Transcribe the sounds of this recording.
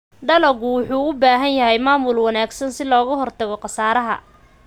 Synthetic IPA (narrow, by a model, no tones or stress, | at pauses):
ɖɐlɐɣʊwʊħuːʊbaːɦɐnjɐɦɛjmaːmʊlwɑnaːɡsɐnsɪlɔːɣɐɦɔrt̪ʰɐɣɔqɑsaːɾɐɦɐ̰